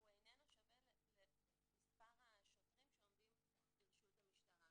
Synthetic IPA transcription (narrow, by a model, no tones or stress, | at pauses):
uenenaʃavelle | mispaʁaʃot̪ʁimʃeomd̪im | lilʃultamiʃtaʁa